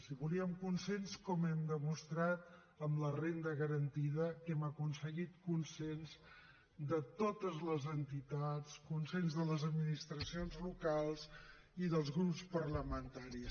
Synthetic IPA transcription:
siβuliəmkunsenskɔmɛmd̪əmust̪ɾat̪ | əmlərend̪əɣəɾənt̪iðəkɛməkunsəɣit̪̚kunsenz | d̪ət̪ot̪əzləzənt̪it̪at͡skunsenzðələzəd̪minist̪ɾəsionzlukalˠz | iðəlˠzɣɾupspəɾləmənt̪aɾis

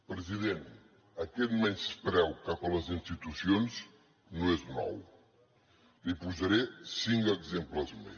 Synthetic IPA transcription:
pɾɨziðẽnt̪ | ɐkɛt̪mɛnspɾɛwkapɐlɐzĩnst̪it̪usijonz | nõɛznɔ̰w | lipuzɐɾesiŋɡɐɡzemplɐzmḛ

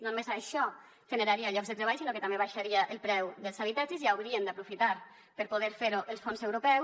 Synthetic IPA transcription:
nonumezaʃɔ | ʒ̥ənəɾaɾiaʎɔɡzðət̪ɾeβaʎjsinokət̪ambeβaʃaɾiaʔəlˠpɾɛwðəlˠzaβ̞it̪ad͡ʒəsziawɾiənd̪apɾufit̪aɾ | pəɾpoð̞eɾfeɾuʔəlˠsfonsewɾopɛw

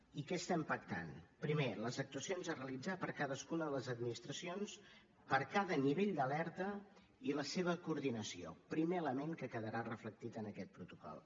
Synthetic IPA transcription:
ikɛst̪ɛmpək̚t̪a̰npɾimeləzək̚t̪uəsionzərəlid͡zapəɾkaðəskunəðələzəd̪minist̪ɾəsions | pəɾkaðəniβ̞eʎd̪əlɛɾt̪ə | iləseβ̞əkuɾðinəsio̰pɾimeələmeŋkəkəðəɾarəflək̚t̪it̪ənəkɛt̪̚pɾut̪ukɔ̰lˠ

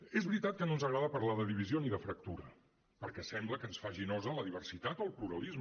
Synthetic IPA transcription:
ezβɾit̪at̪̚kənonzəɣɾaðəpəɾlaðəðiβ̞izjoniðəfɾək̚t̪uɾə | pəɾkɛsɛmbləkəːnsfaʒinɔzələðiβ̞ərsit̪at̪olˠpluɾəlizm

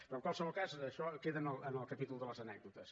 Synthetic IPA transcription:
pɾɐ̃kwalˠsɐ̃w̃ukazʃɔkeðɐnɔɐnɔkɐpit̪ulˠuðɨlɐzɐnɛk̚ðut̪ɐʃ

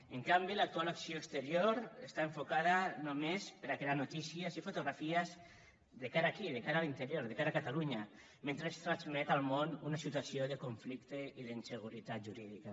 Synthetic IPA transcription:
eŋkambilak̚t̪ualaksioekst̪əɾjoɾest̪aeɱfokaðanomespəɾakɾeaɾnut̪isiəzifut̪uɣɾafiəz | ðəkaɾaːkiðekaɾalint̪əɾjoɾðeəkaɾakat̪aluɲə | mẽnt̪ɾest̪ɾanzmɛt̪alˠmonunasit̪asioðəkuɱflikt̪eiðəinsəɣuɾit̪at̪̚ʒuɾiðika

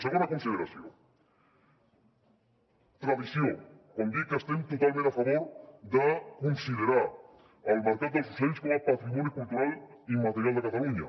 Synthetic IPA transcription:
səɣond̪əkunsiðeɾasjo̰ | t̪ɾaðisjokond̪ikəst̪ent̪ut̪alˠmẽnafaβoɾðəkunsiðeɾa | əlməɾkat̪̚d̪əlˠzisenskoməpat̪ɾimɔnjokulˠt̪uɾalimat̪əɾjalˠd̪əkat̪aluɲa̰

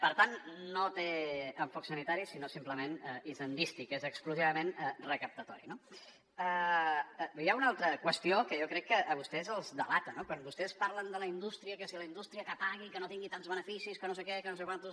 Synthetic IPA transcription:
pəɾt̪annot̪eəɱfɔksənit̪aɾisinosimpləmenəizənd̪ist̪ikezəkskluziβəmenərəkəp̚t̪ət̪ɔɾino | ə | jaunalˠt̪ɾəkwəst̪iokəjokɾɛkːəʔəβust̪ɛzəlˠzðəlat̪ənokwanbust̪ɛspaɾlənd̪ələind̪ust̪ɾiəkəsiləind̪ust̪ɾiəkəpaɣ̞ikənot̪iŋɡit̪anzβənəfisiskənosekɛkənosekwant̪u

